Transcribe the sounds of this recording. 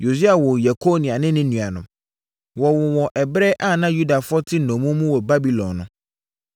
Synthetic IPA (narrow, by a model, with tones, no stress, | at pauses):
jo˨s̬i˦a˨wɔ˨ja˨kʰo˦nĩ˨a˨nɪ̃˦nɪ̃˦nũ˨a˨nʊ̃˨ | wɔ˨wʊ˨wɔ̃˨ʔɛ˨bɾɛ˦ʔa˦˨nã˦ju˦da˨fʊ˦ɔ˦tʰɪ˦nɔ̃˨mũ˦mũ˦wɔ˨ba˦bi˨lɔ̰̃˨nːʊ̃˨